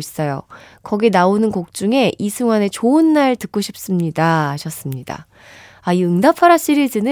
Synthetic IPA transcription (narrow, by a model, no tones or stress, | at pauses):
is͈ʌjo̰ | kʌɡinaonɯnkok̚t͡ɕ͈uŋe̞isʰuŋwane̞t͡ɕoɯnːaɭtɯk͈̚oɕʰip̚s͈ɯmɲidaːɕʰʌs͈ɯmɲida̰ | aiɯŋdapʰaɾaɕ͈iɾiɭd͡ʑɯnɯ